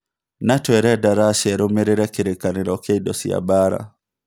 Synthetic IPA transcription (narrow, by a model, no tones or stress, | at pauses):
natwɛɾɛdaɾaʃɛɾomeɾeɾɛkiɾekaneɾɔkɛidɔsia̰baɾa̰